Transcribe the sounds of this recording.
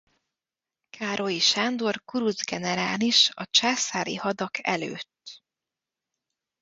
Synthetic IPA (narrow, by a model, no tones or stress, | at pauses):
kʰaːɾʔo̞iʃaːnd̪o̞rkuɾuzɡɛnɛɾaːniʃɒt͡ʃaːsaːɾḭhɒd̪ɒkʰɛ̰lø̰ːt̪ː